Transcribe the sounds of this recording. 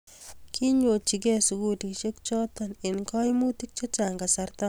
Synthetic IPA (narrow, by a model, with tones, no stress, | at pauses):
kʰi˦ɲo˨t͡ʃi˨k̬ɛ˦su˨ɡu˦ti˨kʃe˦kt͡ʃɔ˦t̪ɔ˨nɪ˨nkɔ˦jmu˦ti˦k̚t͡ʃo˦t͡ʃaŋɡa˨sa˦ɾt̪a˦